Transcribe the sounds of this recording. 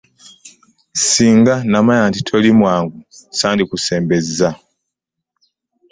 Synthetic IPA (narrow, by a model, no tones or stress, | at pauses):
siːŋɡanamajantitʰolimwaːŋɡusaːndikuse̞ːmbe̞zːa